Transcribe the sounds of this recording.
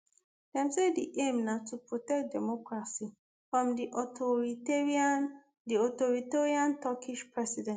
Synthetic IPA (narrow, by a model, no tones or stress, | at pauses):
d̥ɛ̃msediʔẽmnatʰupɹɔtɛk̚dɛmɔkɹasi | fɹɔ̃mdiʔɔtɔɹiteɹian | diɔtɔɹiteɹiãntʰɔkiʃpɹɛsidɛ̃n